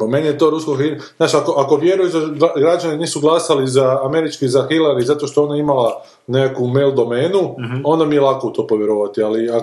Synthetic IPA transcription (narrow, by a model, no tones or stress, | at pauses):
po̞menijet̪o̞ɾuskoxi | znaːt͡ʃako̞ʔako̞ʋje̞ɾujezd̪aɡɾad͡ʒaniniːsuɡlˠasalizaːme̞ɾit͡ʃkizaxilaɾizat̪o̞ʃt̪oonaimala | nekakumelˠd̪o̞meːnuo̞nd̪amielˠakout̪o̞ːpoʋje̞ɾoʋat̪ialia